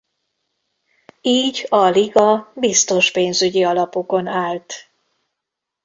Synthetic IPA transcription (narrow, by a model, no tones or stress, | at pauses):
iːɟɒliɡɒbist̪o̞ʃpeːnzyɟiɒlɒpo̞ko̞naːlt̪